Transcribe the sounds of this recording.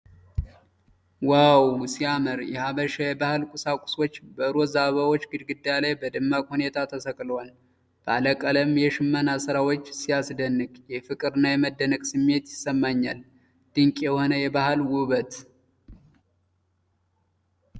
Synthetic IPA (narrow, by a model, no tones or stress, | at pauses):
wawsiaməɾjɛhaβəʃajɛbahɨlkʼʊsakʷʼʊ̥swot͡ʃːbəɾozaβawot͡ʃːɡɨd̪ɡɨd̪ːajalajbəd̪ɨmːakhune̞t̪ʰat̪ʰəsəkʼlwal | b̥əaləkʼələmjɛʃɨmːənasɨɾawot͡ʃːsijasd̪ənːɨkʼjɛfɨkʼɨɾɨnːajɛməd̪ːənəkʼsɨmːe̞t̪jɪsːəmːaɲːa̰l | d̪̥ɨŋkʼjɛho̞nəjɛbahɨlwʊβət̪